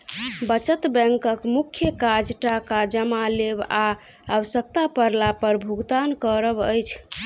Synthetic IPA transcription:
bət͡ʃət̪bɛ̃ŋkəkmukʰjəkad͡ʒʈakad͡ʒəmaleba | awəsək̚t̪apəɾlapəɾbʱuɡt̪ankəɾəbəjt͡ʃʰ

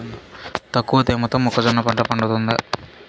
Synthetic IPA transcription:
nt̪ɐkːuʋɐt̪eːmɔt̪ːɐmɔkːɐd͡ʒɐnːɐpɐɳʈɐpɐɳɖut̪und̪i

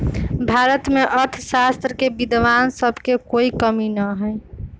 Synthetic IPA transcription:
bʱaːɾət̪meʔəɾt̪ʰsast̪ɾəkebid̪ʋaːnsəbʱkekoːikəminəɦɛj

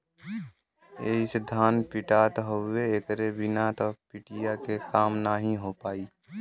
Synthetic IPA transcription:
eːsed̪ʱaːnpɪʈaːt̪ɦoeːkɾebɪnat̪ɔpɪʈijakekaːmnaɦĩɦopaːiː

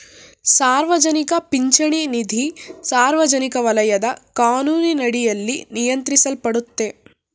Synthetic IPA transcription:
saːɾʋɐd͡ʒɐnikɐpiɲt͡ʃɐɳinid̪ʱisaːɾʋɐd͡ʒɐnikɐʋɐlɐjɐd̪ɐkaːnuːninɐɽijɐlːinijɐnt̪ɾisɐlpɐɽut̪ːe

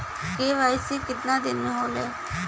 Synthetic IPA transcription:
keːʋaːɪsiːkɪt̪nãːd̪ɪnːeɦoːleː

